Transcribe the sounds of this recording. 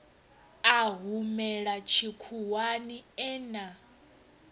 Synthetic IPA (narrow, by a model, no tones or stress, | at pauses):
aɦumɛɺat͡ʃʰikʰuwaniɛːna